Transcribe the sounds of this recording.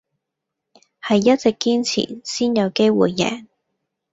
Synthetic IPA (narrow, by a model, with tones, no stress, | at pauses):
hɐ˨jːɐ˥t̚t͡sɛ˨kːiː˥nt͡sʰḭː˨˩siː˥njɐ˨˧wke˥jwuː˨jːɛ̰ː˨˩n